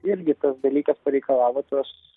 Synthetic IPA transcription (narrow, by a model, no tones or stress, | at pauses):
ɪɾʲɡʲɪt̪ɐsd̪ɐlʲiːkɐspɐɾʲɛɪkɐlˠɑːʋoːt̪oːs